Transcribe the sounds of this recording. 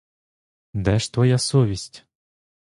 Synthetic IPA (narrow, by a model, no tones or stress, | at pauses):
d̪ɛʃt̪ʋɔjasɔʋʲisʲtʲ